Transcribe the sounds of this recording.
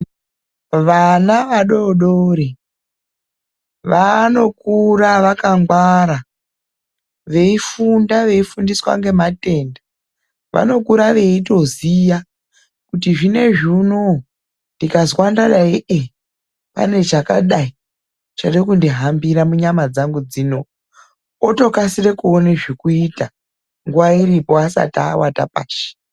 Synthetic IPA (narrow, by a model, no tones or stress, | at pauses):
ʋanaʋaɗo̞ɗoɾi | ʋano̞k̚uɾaʋakaŋɡwaɾa | ʋe̞ifundaʋe̞ifundiswa̰ŋɡe̞mate̞ːnda | ʋʔa̰no̞kuɾaʋe̞ito̞zija | kutiʐine̞ʐino | ndikazwandaɗaiʔe | pa̰ne̞ʐakaɗai | t͡ʃarekundiɦambiɾamuɲamad͡zaŋɡud͡ziːno̞ | oto̞kasire̞kuoneʐikuita | ŋɡuʋairipo̞asa̰ta̰ːwata̰pa̰ːʃe̥